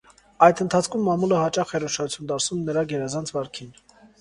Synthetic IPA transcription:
ɑjt̪ʰənt̪ʰɑt͡sʰkʰumːɑmuləhɑt͡ʃɑχɛɾɔʃɑt͡sʰjund̪ɑɾsnumɛnəɾɑɡɛɾɛzɑnt͡sʰvɑɾkʰin

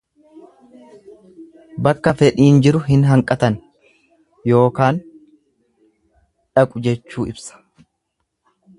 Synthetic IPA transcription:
bɐkːɐfɛᶑiːnd͡ʒɪɾʊɦɪnɦɐŋkʼɐt̪ɐn | jo̞ːkaːn | ᶑɐkʼʊd͡ʒɛt͡ʃːuːɪbsɐ̥

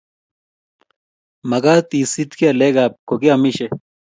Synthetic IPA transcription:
mɐɡaːt̪iːsit̪keɐleɡaːp̚koɡeɐmiɕe

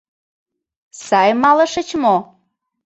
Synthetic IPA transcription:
sɑjmɑlə̆ʃə̆t͡ɕmo

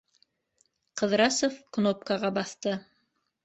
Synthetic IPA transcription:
qɤ̆ðɾɑsofknop̚kɑʁɑbɑθt̪ɤ

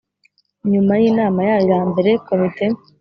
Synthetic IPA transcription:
ɲumajiːnaːmajaːjojaːmbe̞ɾe̞ko̞mite̞

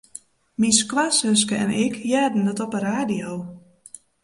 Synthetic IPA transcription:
minskwasøs̬kəɛ̰nʔɪkjaːdn̩dətɔpəɾaːdijow

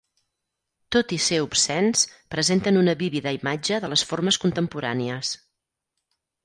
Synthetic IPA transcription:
t̪ot̪iseupsɛnspɾəzent̪ənunəβiβiðəimad͡ʒəðələsforməskunt̪əmpuɾa̰niəs

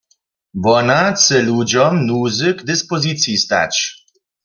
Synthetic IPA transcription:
vɔnat̪sɛlud͡ʑɔmnuzɨɡd̪ɨspɔzɨt̪sʲjist̪a̰t͡ɕ

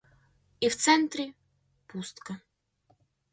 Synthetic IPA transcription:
ift̪sɛnt̪ɾʲɪ | pust̪kə

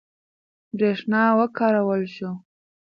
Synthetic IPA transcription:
bɾeʂnɑwəkɑɾawəlʃu

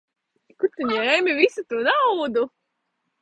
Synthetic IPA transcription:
kuɾt̪ɨɲɛːmʲivisut̪uːnawd̪u

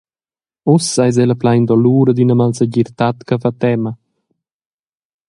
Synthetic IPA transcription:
usajz̬ɛləplajnd̪ɔluːɾəd̪inəmalsəɟiɾt̪at̪kafat̪ɛmə

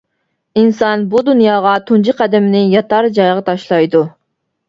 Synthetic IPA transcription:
insɑnbud̪unjɑːʁɑt̪ʰund͡ʒiqʰæd̪ɪmɪnɪjɑt̪ɑɾd͡ʒɑjʁɑt̪ʰɑʃlˠɑjd̪u

